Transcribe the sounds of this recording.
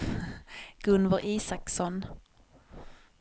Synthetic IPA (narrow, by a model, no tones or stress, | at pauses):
ɡ̥ɵnvəɾʔiːsaksɔn